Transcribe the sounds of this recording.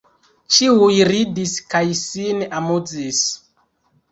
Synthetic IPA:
t͡ʃiujɾidiskajsinamud͡zis

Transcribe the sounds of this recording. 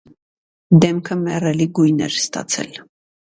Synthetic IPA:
d̪ɛmkʰəmɛrɛliɡujnɛ̰ɾst̪ɑ̰t͡sʰɛ̰l

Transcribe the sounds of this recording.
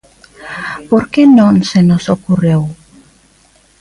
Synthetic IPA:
poɾkenõnsenosokurew

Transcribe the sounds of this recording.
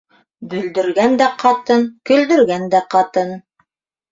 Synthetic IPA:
bɵ̆ld̪ɵ̆ɾɡænd̪æqʰɑt̪ɤnkɵ̆ld̪ɵ̆ɾɡænd̪æqɑt̪ɤn

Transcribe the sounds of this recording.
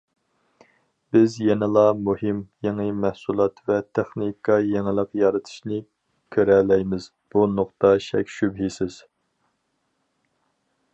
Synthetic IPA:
b̥ɪzjɛnɪlˠɑmuhɪmjeŋɨmɛhsulˠɑt̪vɛt̪ʰɛχnikʰːɑjeŋɪlˠəqjɑɾɨt̪ʰɨ̥ʃnɪ | kʲʰøɾɛlɛjmɪz | b̥unoqt̪ɑʃɛ̰kʲʃybɦisɪz̥

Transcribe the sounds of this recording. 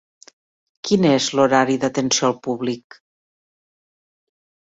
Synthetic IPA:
kinezloɾaɾiðət̪ənsioəlˠpuβlik

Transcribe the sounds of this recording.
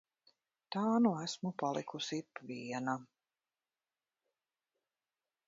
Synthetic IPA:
t̪aːnuæsmupalˠikusipviɛna

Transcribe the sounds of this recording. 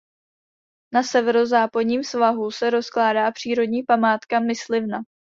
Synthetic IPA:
nasɛvɛɾozaːpadɲiːmsvaɦusɛɾo̞sklaːdaːpr̥iːɾo̞dɲiːpamaːt̪kamɪslɪvna

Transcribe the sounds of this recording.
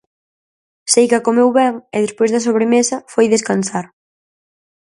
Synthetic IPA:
sejkakomewβɛŋɪðespojzðɐsoβɾemesɐfojðeskanθaɾ

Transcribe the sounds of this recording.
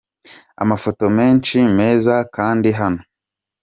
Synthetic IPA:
a̰mafo̞to̞me̞ːnt͡ʃime̞ːzakaːndiɦano

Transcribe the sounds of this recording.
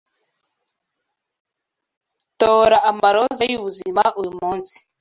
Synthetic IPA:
toɾaʔamaɾɔzajuβuzimaʔujumuːnsi̥

